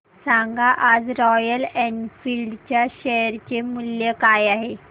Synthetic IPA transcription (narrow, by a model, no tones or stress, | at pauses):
sãŋɡʱaʔad͡zɾɔjəlɛɳɖfilɖt͡ɕjaɕɛɾt͡ɕemuljəkajaɦe